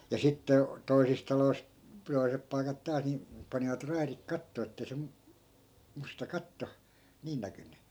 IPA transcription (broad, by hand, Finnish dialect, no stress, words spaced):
jɑ sitːe toisis tɑlois toi̯sep pɑi̯kɑt tɑːs ni pɑniʋɑt rɑirik kɑtːoː etːei se mu mustɑ kɑtːo niːn nækynːy